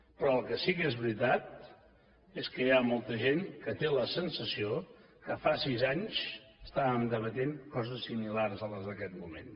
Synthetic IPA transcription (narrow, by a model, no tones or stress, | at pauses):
pɾɔəlˠkəsikezβɾit̪at̪̚ | eskəjamolˠt̪əʒenkət̪eləsənsəsio | kəfasizaɲs | əst̪aβəmd̪əβət̪eŋkɔzəsːimilarzələzðəkɛt̪̚mumḛn